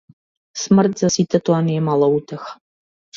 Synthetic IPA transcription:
smɨrtzɐsitʰɐtʰʼwanjɛmalɐwutʰɐx

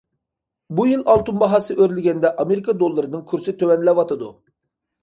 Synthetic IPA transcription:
bujilˠɑlˠt̪unbɑɦɑsɨʔøɾlɪɡʲɛnd̪ɛʔɑmeɾikʰɑd̪olˠːɨɾɨnɨŋkʲʰyɾsɪt̪ʰøwɛnlɛwɑt̪ʰɨd̪u

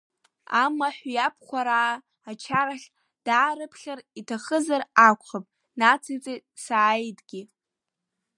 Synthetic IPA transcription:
amaħʷjapʰχʷaɾaː | at͡ʃʰaɾaχʲ | d̥aːɾɨpʰχʲaritʰaχəzarakʷʰʼχapʼ | nat͡sʰit͡sʼe | saːjtʼɡ̥ʲi

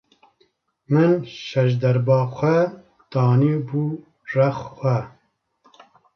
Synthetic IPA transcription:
mɨnʃɛʃ̬d̪ɛɾbɑːxʷɛ | t̪ɑːnibuː | rɛxxʷɛ

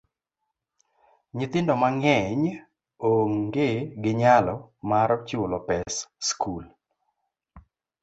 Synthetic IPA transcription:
ɲɪt̪ɪndɔmaŋɛɲ | oŋɡeɡɪɲalɔmaɾɔt͡ʃɪʊlɔpɛsskʰul

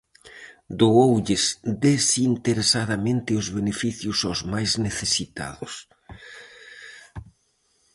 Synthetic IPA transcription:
d̪oowʎɪsd̪esint̪eɾesað̞amẽnt̪ɪʊzβenefiθjʊsawzmajzneθesit̪a̰ðʊs

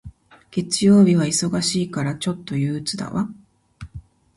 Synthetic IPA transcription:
ɡ̥e̞t͡sɨjo̞ːbʲiβ̞aiso̞ɡaɕiːkaɾat͡ɕo̞t̪ːo̞jɯ̟ːt͡sɨd̪a̰βa

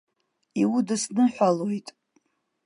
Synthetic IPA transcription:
iwudɨsnɨħʷalojtʼ

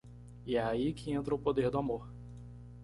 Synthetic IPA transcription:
ɪɛaikɪẽnt̪ɾɐʊpod̪eɾd̪ʊamoɾ

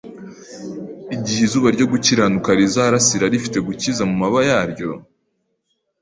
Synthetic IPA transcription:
iɟihizuːβaɾɟo̞ɡuciɾanukaɾizaɾasiɾaɾifite̞ɡucizamumaβajaːɾɟo̞

